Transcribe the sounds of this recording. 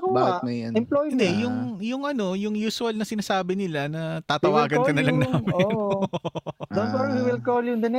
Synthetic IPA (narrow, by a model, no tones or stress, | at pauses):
obaːnɐjɐɪmplojɪnd̪ɛjʊŋjʊŋʔɐno̞jʊŋjuːsʊɐlnɐsɪnaːsaːbɪnɪlanɐt̪aːt̪ɐwaːɡɐnkɐnɐlɐŋnaːmɪon | d̪onɔɾhiwɪlkoljʊŋd̪ɐn